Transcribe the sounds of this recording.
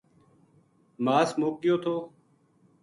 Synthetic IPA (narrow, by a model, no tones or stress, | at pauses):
maːsmoːk̚ːɪjoːt̪ʰoː